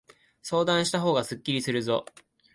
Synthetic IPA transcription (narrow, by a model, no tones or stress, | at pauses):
so̞ːd̪ãɰ̃ɕi̥t̪aɦo̞ːɡasɨkʲːiɾʲisɨɾɯ̟zo̞̰